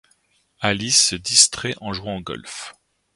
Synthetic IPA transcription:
alisəd̪ist̪χɛʔɑ̃ʒwɛ̃ɑ̃ɡɔ̰lf

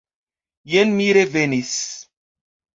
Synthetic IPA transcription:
jenmiɾevenis

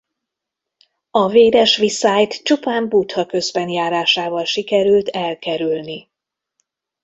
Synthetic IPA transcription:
ɒveːd̪ɛʃʋisaːjt̪t͡ʃupaːmbut̪hɒkø̞zbɛnjaːɾaːʃaːvɒlʃikɛɾylt̪ɛlkɛɾylni

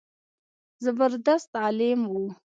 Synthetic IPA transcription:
zabəɾd̪ast̪ɑlɪmwu

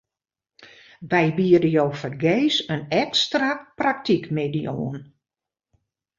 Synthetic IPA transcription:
ʋɛjbiədəjoːfərɡeːsənɛkstraprak̚tʰikmedio̰ːən

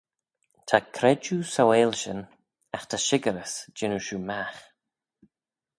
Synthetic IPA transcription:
t̪ʰakʰɾɛd͡ʒusaweːlʃən | axt̪ʰaʃɪɡəɾəsd͡ʒɪnuʃumax

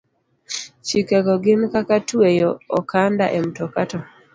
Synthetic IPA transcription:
t͡ʃikeɡɔɡɪnkakatuejɔɔkʰanda̰ʔem̩tɔkatɔ

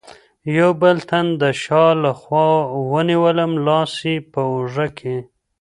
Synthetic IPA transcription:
jawbəlt̪and̪əʃɑlaxwɑwəniwələmlɑsipəʊʐəkʰe

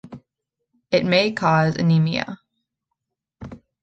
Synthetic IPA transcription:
ɨt̚meɪkʰɔzɨ̰nimiɨ̰

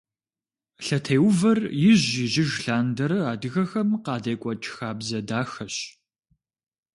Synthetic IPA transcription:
ɬɐtʰejwvɐrjɪʑɪʑɪʒɬaːndɐɾɨaːdɨɣɐxɐmqɑːdɐjkʷʼɔt͡ʃʼxaːbzɐdaːxɐɕ

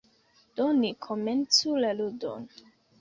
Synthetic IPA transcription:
d̥onikʰoment͡sulaludo̰n

